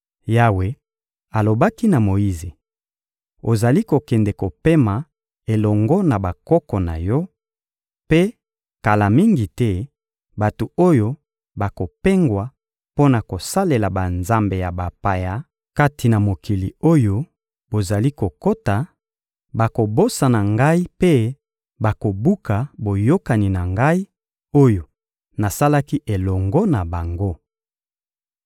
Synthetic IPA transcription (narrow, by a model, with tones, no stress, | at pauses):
ja˦we˨ | a˨lo˨ba˦ki˦na˨mo˨ji˦ze˨ | o˨za˨li˦ko˨kɛ˨ndɛ˨ko˨pe˦ma˨ | e˨lɔ˨ŋɡɔ˦na˨ba˨kɔ˦kɔ˨na̰˨jɔ˦ | pe˦ | ka˨la˨mi˦ŋɡi˨tɛ˦ | ba˨tu˨o˦jo˦ | ba˨ko˨pe˦ŋɡwa˨ | po˦na˨ko˨sa˦le˨la˨ba˨nza˦mbe˨ja˨ba˨pa˨ja˨ | ka˦ti˨na˨mo˨ki˨li˨o˦jo˦ | bo˨za˨li˦ko˨ko˦ta˨ | ba˨ko˨bo˦sa˨na˨ŋɡa˦i˦pe˦ | ba˨ko˨bu˦ka˨bo˨jo˦ka˨ni˨na˨ŋɡa˦i˦ | o˦jo˨ | na˨sa˦la˦ki˦ʔe˨lɔ˨ŋɡɔ˦na˨ba˨ŋɡo˦